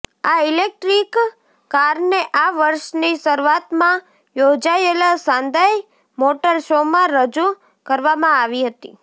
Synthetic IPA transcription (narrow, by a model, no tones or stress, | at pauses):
ailek̚ʈɾikː | aɾneʔaʋəɾʃnisəɾʋat̪mã | jod͡ʒaelasãnd̪aj | moʈəɾʃomãɾəd͡ʒu | kəɾʋamãaʋiɦət̪ḭ